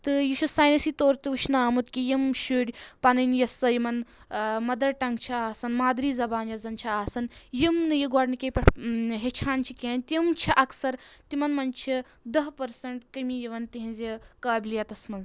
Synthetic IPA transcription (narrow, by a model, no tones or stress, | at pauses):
t̪ɨjiʃusaːjnɐsiːt̪oːɾt̪iɨʃʰnaːmut̪kijimʃuɽʲpɐnɐnjɐsɐjimɐn | mɐd̪ɐɾʈɐŋɡt͡ʃʰiaːsɐnmaːd̪ɾiːzɐbaːnjɐzɐnt͡ʃʰiaːsɐnjimnɨjiɡɔːɖnikʲepʲɐʈʰɦet͡ʃʰaːnt͡ʃʰikʲeːnʲt̪ʲimt͡ʃʰiʔɐksɐɾt̪imɐnmɐnt͡ʃʰi | d̪ɐɦpɐɾsɐɳʈkɐmijiʋɐnt̪iɦinzʲikaːbʲilijɐt̪ɐsmɐnz